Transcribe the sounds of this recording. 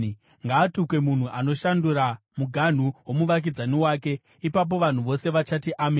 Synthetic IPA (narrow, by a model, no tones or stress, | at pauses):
ŋɡaːtukwe̞mun̤uʔano̞ʃanduɾa | muɡʱan̤uwo̞muʋak̬id͡zaniwaːk̬e̞ | ipap̬o̞ʋan̤uʋo̞se̞ʋat͡ʃatiʔame